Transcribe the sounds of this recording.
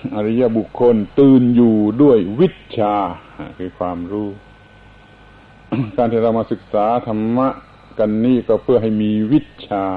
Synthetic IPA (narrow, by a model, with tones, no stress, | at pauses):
ʔa˧ɾa˧˥ja˧ʔbu˨˩kʰːo˧nt̪ɯː˧njuː˨˩du˥˩əjwi˦˥˩t̪̚t͡ɕʰaː˧a̰˧˩kʰɯː˧˩kʰwaː˧mɾuː˥˩ | kaː˧nt̪ʰiː˥˩ɾa˧wmaː˧sɯ˨˩k̚saː˩˦t̪ʰa˧mːa˦˥ʔ | ka˧nːiː˥˩kɔː˥˩pʰɯ˥˩əɦa˥˩jmiː˧wi˦˥˩t̪̚t͡ɕʰaː˧